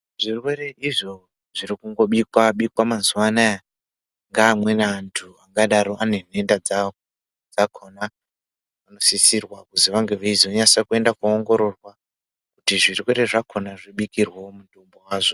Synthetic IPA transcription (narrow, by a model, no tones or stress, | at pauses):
ʐ̥irwe̞ɾe̞ʔiʐo̞ | ʐ̥iɾikuŋɡo̞ɓikwaɓikwamazuwanaja | ŋɡaːmwe̞naantʰuaŋɡaɗaɾo̞ʔane̞ne̞ndad͡za | d͡zakʰo̞na | ʋano̞sisirwakuziʋaŋɡe̞ʋeizoɲasakue̞ndakuoŋɡo̞ɾo̞rwa | kutiʐirwe̞ɾe̞ʐakʰonaʐiɓikirwomutombowaːʐo̞